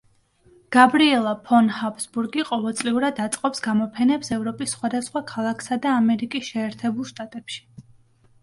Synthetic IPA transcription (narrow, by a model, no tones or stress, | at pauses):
ɡ̥abɾiɛlˠapʰɔnhapʰsbuɾɡiqʼɔvɛlˠt̪sʼliuɾad̪at̪sʼqʼɔpsɡamɔpʰɛnɛpsɛvɾɔpʼisːχwad̪asχwakʰalˠakʰsad̪aːmɛɾikʼisʃɛːɾt̪ʰɛbulˠʃt̪ʼat̪ʼɛpʃi̥